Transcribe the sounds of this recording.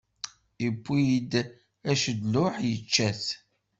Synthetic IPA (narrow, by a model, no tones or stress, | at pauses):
ipʷːijd̪ | æʃəd̪lʊħjət͡ʃːæθ